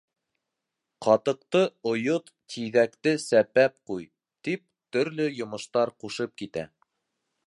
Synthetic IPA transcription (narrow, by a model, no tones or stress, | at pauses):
qɑt̪ɤ̆q̚t̪ɤŏjot̪ːiðækt̪ɘsæpæp̚quj | t̪ip̚ | t̪ɵ̆ɾlɵjŏmɤ̆ʃt̪ɑɾquʃɤp̚kit̪æ̰